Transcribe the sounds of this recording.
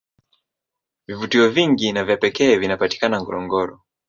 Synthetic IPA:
vivutiɔviŋɡinavjapɛkɛːvinapati̥kanaŋɡɔ̰ɾɔŋɡɔɾɔ

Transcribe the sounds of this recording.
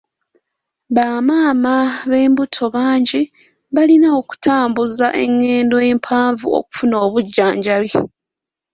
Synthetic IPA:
βaːmaːmaβe̞ːmbutʰo̞βaːɲɟi | βalinao̞ku̥tʰaːmbuzaʔe̞̰ŋːe̞ːndoe̞ːmpʰaːɱvṵo̰ku̥funo̞ːβuɟːaːɲɟaβi

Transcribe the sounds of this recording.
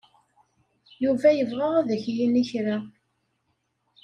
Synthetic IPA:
juvæjəvʁaʁæðəçjiniçɾa

